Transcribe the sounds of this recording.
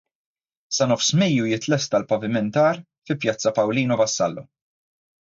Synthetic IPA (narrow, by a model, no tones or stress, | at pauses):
sɐnɔfsmɛjːujɪt̪lɛst̪ɐlpɐvɪmɛnt̪ɐːɾ | fɪpjɐt͡sːɐpɐwliːnɔvɐsːɐ̰lːɔ